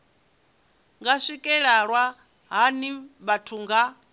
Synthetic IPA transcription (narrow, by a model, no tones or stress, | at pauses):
ŋɡaʂikʼɛɺaɺwa | ɦaniβatʰuŋɡa